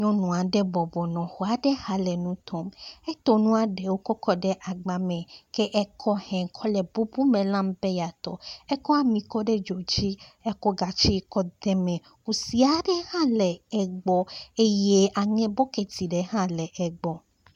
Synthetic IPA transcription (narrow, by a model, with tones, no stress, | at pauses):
ɲɔ̃˦nũ˨a˨ɖɛ˦bɔ˨bɔ˨nɔ̃˨xɔ˨a˨ɖɛ˦ha˨lɛ˨nũ˦t̪ʰɔ˨mɛ˦t̪ɔ˦nũ˦a˨ɖɛ˨wo˦kɔ˦kʰɔ˦ɖɛ˦ʔa˨ɡ͡ba˨mɛ̃˨kɛ˦ʔɛ˦kʰɔ˦hɛ̃˨ŋ˨kʰɔ˦lɛ˨bu˦bu˦mẽ˨lã˦m˦bɛ˦ja˨t̪ɔ̰˨ɛ˦kɔ˦a˦mĩ˨kɔ˦ɖɛ˦d͡ʒo˨d͡ʒi˦ɛ˦kɔ˦ɡa˨t͡ʃi˦kɔ˦d̪ɛ˦mɛ̃˨ | ku˨si˨˦a˨ɖɛ˦hã˦lɛ˨ɛ˨ɡ͡bɔ˨e˦je˦ʔa˨ŋɛ̃˦bɔ˦ke˨t̪i˨ɖɛ˦hã˦lɛ˨ʔɛ˨ɡ͡bɔ˨